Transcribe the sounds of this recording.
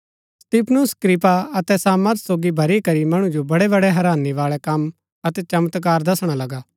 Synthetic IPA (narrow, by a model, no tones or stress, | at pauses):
st̪iːpʰnʊskɾɪp̬aɐt̪ɛsaːməɾt̪soːɡibʱɐɾikɐɾimɐɽ̃ũd͡ʒobɐɽɛbɐɽɛɦɐɾaːniʋaːɭɛkɐm | ɐt̪ɛt͡ʃɐmət̪kaːɾd̪ɐsɽ̃alɐɡaː